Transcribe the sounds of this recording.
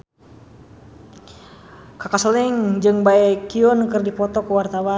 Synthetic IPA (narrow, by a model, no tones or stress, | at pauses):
kakasliŋd͡ʒɨŋbaɛkiɔnkɨrdipɔt̪ɔkuwart̪awa